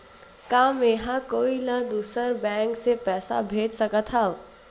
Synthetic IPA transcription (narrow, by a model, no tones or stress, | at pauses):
kaːmeɦãkoːiləd̪uːsəɾbɛ̃ːŋksepɛːsa̰bʱeːd͡ʒsəkət̪ʰɦao